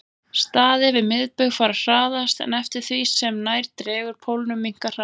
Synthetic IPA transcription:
st̪aːðɪvɪðmɪðpʏɣfaːɾar̥aːðast̪ɛ̰nɛft̪ɪɾ̥θvisɛmnaːjɾt̪ɾɛːɣʏɾ̥pʰowlnʏmiŋ̥kar̥a

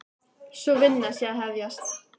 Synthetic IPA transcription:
sɔvɪnːasjɛaðɦɛvjast̪

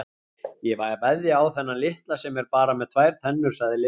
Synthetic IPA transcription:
jɛvajapajðɪawθɛnːalɪht̪lasɛmɛɾpaːɾamɛðt̪ʰv̥aːjɾ̥t̪ʰɛnːʏɾ̥saɣðɪlɪ

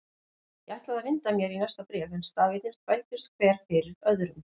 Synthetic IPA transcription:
jɛaht̪laðavɪnt̪amjɛɾinajst̪apɾɛːvɛnst̪aːvɪt̪nɪ̥t̪ʰvajlt̪ʏst̪kʰv̥ɛːɾ̥fɪɾɪðœðɾʏm

